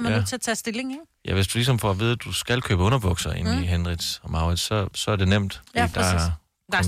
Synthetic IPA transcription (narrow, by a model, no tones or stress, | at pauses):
mæt͡sʰe̝ɐt͡sʰɛsd̥e̝leŋe | jʔæʋe̝sd̥ulis̬ɒ̽mfɒʋiːð̞ˠd̥usɡ̥ælkʰøːb̥əɔ̽nɐb̥ɔ̽ɡ̥sɐʔe̝niɦenʁid̥sɒmɑ̈ʊʁid̥sɒ̽sɒ̽æɐd̥e̝nem̰d̥ed̥ɑ̥